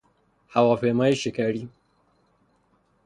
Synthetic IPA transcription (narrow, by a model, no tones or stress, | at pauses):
hawaɸeːmaːjiʃekaɽiː